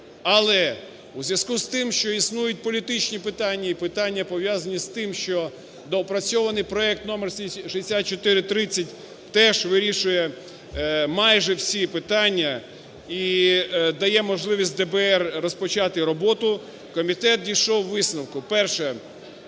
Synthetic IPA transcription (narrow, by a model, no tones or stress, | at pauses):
ɐlˠɛ | uzʲʋjɐz̥kust̪ɪmʃt͡ʃɔisnujʊt̚ʲpɔlʲit̪ɪt͡ʃnʲipɪt̪ɑnʲːɐipɪt̪ɑnʲːɐpɔʋjazɐnʲist̪ɪmʃt͡ʃɔ | d̪ɔɔpɾɐt͡sʲɔʋɐnɪjpɾɔɛk̚t̪nɔmɛrʃɐjesʲat̪̚t͡ʃɔt̪ɪɾɪt̪ɾɪt͡sʲːɐtʲ | t̪ɛʒʋɪɾʲiʃʊjɛ | mɑjʒɛwsʲipɪt̪ɑnʲːɐ | i | d̪ɐjɛmɔʒlˠɪʋʲisʲt̚ʲd̪ɛbɛɛrːɔspɔt͡ʃɑt̪ɪɾɔbɔt̪ʊ | kɔmʲit̪ɛt̪̚dʲiʃɔwːɪsnɐwkʊpɛrʃɛ